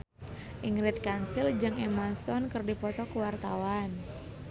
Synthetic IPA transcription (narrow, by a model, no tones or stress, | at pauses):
ʔiŋɾɪt̪̚kansɪld͡ʒaŋemasɔnkɨrdipɔt̪ɔkəwart̪awan